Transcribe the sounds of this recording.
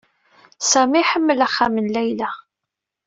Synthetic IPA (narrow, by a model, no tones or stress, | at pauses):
sæmiħəmːəlæχːæmənlæjlæ